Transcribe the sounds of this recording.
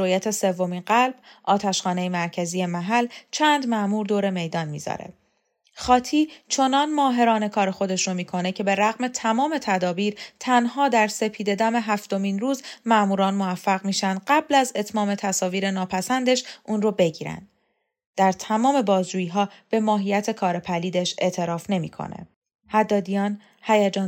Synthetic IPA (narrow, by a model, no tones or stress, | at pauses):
oːjæt̪ʰe̞se̞vːo̞miːnɢælb̥ʔɒːt̪ʰæʃχɒːnejemæɾcʰæzije̞mæɦælt͡ʃʰænd̪mæʔmuːɾd̪oːɾe̞me̞jd̪ɒnmiːzɒ̰ːɾe̞̰ | χɒːt̪ʰiːt͡ʃʰo̞nɒnmɒːɦe̞ɾɒːne̞kʰɒːɾe̞xo̞d̪e̞ʃɾomiːkʰo̞ne̞cʰe̞be̞ɾæɣme̞t̪ʰæmɒːme̞t̪ʰæd̪ɒːbiːɾt̪ʰænɦɒːd̪æɾse̞pʰiːd̪e̞d̪æme̞ɦæft̪o̞miːnruːzmæmuːɾɒːnmoæfːæɣmiːʃænd̪ɢæblæze̞t̪ʰmɒːme̞t̪ʰæsɒːviːɾe̞nɒːpʰæsænd̪e̞ʃʔuːnrobe̞ɟiːɾæ̰nd̪̥̚ | d̪̥æɾt̪ʰæmɒːme̞bɒːzd͡ʒuːjiɦɒːb̥e̞mɒːɦijæt̪ʰe̞kʰɒːɾe̞pʰæliːd̪eʃe̞ʔt̪ʰe̞ɾɒːfne̞mḭkʰo̰ne̞̰ | hæd̪ːɒːd̪ijɒːn | hæjæd͡ʒɒː